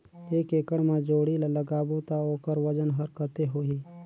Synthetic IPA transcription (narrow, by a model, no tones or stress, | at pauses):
eːkeːkəɽmãd͡ʒoːɽilaləɡaːbot̪aoːkəɾʋəd͡ʒənɦəɾkət̪eɦoːɦiː